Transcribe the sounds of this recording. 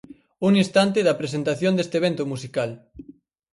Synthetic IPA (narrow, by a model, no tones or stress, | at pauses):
uŋĩnst̪ant̪̬ɪðɐpɾesent̪aθjond̪est̪eβ̞ent̪ʊmusikal